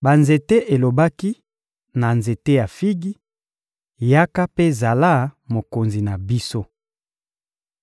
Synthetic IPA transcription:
ba˨nze˨te˦ʔe˨lo˨ba˦ki˦ | na˨nze˨te˦ja˨fi˦ɡi˦ | ja˦ka˦pe˦za˨la˦mo˨ko˨nzi˨na˨bi˦so˦

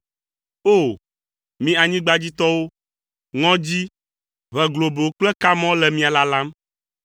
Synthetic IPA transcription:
o˦˨ | mĩ˨˦a˨ɲĩ˦ɡ͡ba˦d͡ʑi˦t̪ɔ˦wo˦ | ŋɔ̃˦d͡ʑi˦ | βɛ˨ɡlo˨be˨wo˦k͡plɛ˦ka˦mɔ̃˦lɛ˨mĩ˦a˨la˦la˦m

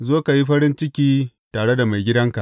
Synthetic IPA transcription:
zoː˦ka˨ji˦ɸɐ˦ɽɪ˦nt͡ʃɪ˦kʲiː˦ | taː˨ɽe˦da˨ma˨jɡʲɪ˦dɐ˦ŋka˨ʔ

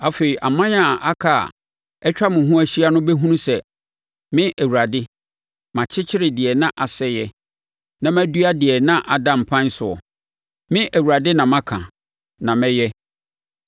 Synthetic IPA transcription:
a˨fe˨i˨ʔa̰˨mã˦ɲ˦a˦˨ʔa˦kʰa˨a̰˨ | ɛ˦t͡ɕᶣa˦mʊ̃˨ɦʊ̃˦æ˦ɕi˦a˦nʊ̃˦bɛ˦ɦũ˦nũ˦sɛ˨ | mɪ̃˦ʔæ˨wu˨ɾa˨dɪ˦ | mã˨t͡ɕʰɪ˦t͡ɕʰɪ˦ɾɪ˨dɪ˨ɛ˨nã˦ʔa˨sɛ˦jɛ˦ | nã˨mæ˦du˦a˦dɪ˨ɛ˨nã˦ʔa˨dã˨m˨pʰã˦n˦sʊ˨ɔ̰˨ | mɪ̃˦ʔæ˨wu˨a˨dɪ˦nã˨mã˦kʰã̰˨ | nã˨mɛ̃˦jɛ˦

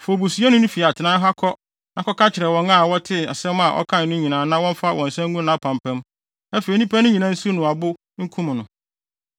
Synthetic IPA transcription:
fo˨bu˨su˨˦ɛ˦nʊ̃˦nĩ˦fi˨a˨tʰɪ˨nã˦ɦa˦kʰɔ˦ | nã˨kʰɔ˦kʰa˦t͡ɕʰɪ˨ɾɛ˨wɔ̃˨ŋa˦˨wɔ˦tʰɪ˦a̰˨sɛ̃˦ma˨ʔɔ̰˦kʰã˦n˨nʊ̃˦ɲĩ˨nãː˨˦nã˦wɔ̃˦m˦fa˦wʔɔ̃˨n̩˨sɛ̃˦ŋ˦ɡũ˦nã˨˦pʰã˨mpʰɛ̃˦m | ɛ˦fe˨i˨nĩ˦pʰɛ˦nʊ̃˦ɲĩ˨nã˦n̩˦su˦nʊ̃˨a˨bʊ˦ | ŋ̩˦kʰũ˦m̃˨nʊ̃˨

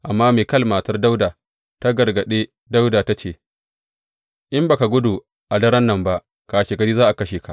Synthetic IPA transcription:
ʔa˨mːaː˦meː˨kɐ˦lmaː˨tɐ˦rda˦wdaː˨ | ta˦ɡɐ˨rɡɐ˨ɗeː˦ | da˦wdaː˨ta˦t͡ʃeː˨ | ʔɪ˦mba˨ka˨ɡʷʊ˦du˨ | ʔa˨dɐ˦ɾɐ˦nːɐ˦mba˦ʔ | kaː˨ʃeː˨ɡɐ˨˦ɾiː˦zaː˦ʔa˨kɐ˦ʃeː˨ka̰˨ʔ

